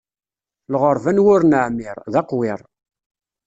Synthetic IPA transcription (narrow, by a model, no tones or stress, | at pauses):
lʁəɾˤvænwʊɾnəʕmɪɾˤðɑqwɪɾˤ